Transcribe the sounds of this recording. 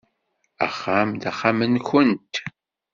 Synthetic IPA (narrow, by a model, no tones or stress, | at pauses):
æ̰χːamd̪æχːamənçənt̪